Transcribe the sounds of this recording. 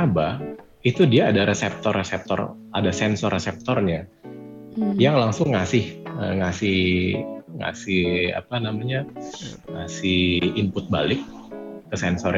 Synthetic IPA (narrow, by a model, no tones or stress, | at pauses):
aba | it̪udiaːdaɾesɛp̚t̪ɔresɛp̚t̪ɔ̰radasɛnsɔrːesɛp̚t̪ɔrɲa | jaŋlaŋsʊŋːasɪhə̰ŋasɪh | ŋa̰sɪha̰panamaɲaŋasɪhimpʊt̪̚balɪk̚ːəsɛnsɔr